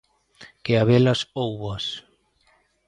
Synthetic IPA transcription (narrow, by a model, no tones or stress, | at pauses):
keaβɛlɐsowβɐs